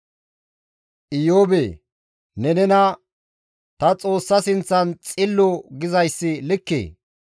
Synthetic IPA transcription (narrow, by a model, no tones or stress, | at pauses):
ʔɪjoːbeː | nɛnɛnɐ | t̪ɐt͡sʼo̞ːsːɐsɪnt͡sːɐnt͡sʼɪlːɔɡɪzɐjsːɪlɪkːḛː